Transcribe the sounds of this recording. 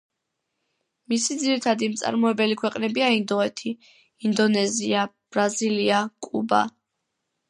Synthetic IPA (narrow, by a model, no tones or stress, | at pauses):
misid̪ziɾit̪ʰad̪imt̪sʼa̰ɾmɔɛbɛlikʰwɛqʼnɛbiaind̪ɔɛt̪ʰiː | nd̪ɔnɛziab̥ɾaziliakʼuba̰